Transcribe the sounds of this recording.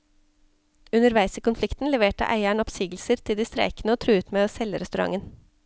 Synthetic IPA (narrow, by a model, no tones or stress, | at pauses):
ʉnəɾʋæɪsiːkʊnflɪkt̪n̩lɛʋeːʈə̰ʔæ̰ɪæɳɔpsiːɡl̩səɾt̪ʰɪld̪iːst̪ɾæ̰ɪknəoːt̪ʰɾʉːʉːt̪meːoːsɛləɾɛst̪ʉɾɑ̰ŋən